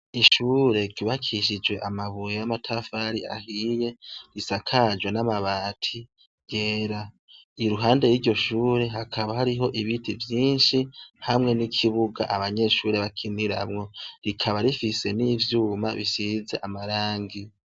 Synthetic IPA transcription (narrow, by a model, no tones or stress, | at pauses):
iʃuɾe̞ɾɡ̥uβakʰiʃ̬id͡ʒwe̞ʔamaβujejamatʰafaɾia̰hijeɾisakʰad͡ʒwenamaβaːtʰi | ɡ̥e̞ːɾa | iɾuɦaːnde̞jiːɾɟo̞ʃuːɾe̞ɦakʰaβahaɾiɦo̞ʔiβitʰivjiːnʃihamŋe̞nikʰiβuɡa̰ʔaβaɲe̞ʃuːɾe̞βakʰiniɾa̰mŋo̞ɾikʰaβaɾifise̞nivjuːmaβisize̞ʔamaɾaːŋɡi